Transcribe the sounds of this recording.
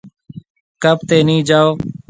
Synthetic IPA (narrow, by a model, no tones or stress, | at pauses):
kəbt̪eːnĩːd͡ʒaːoː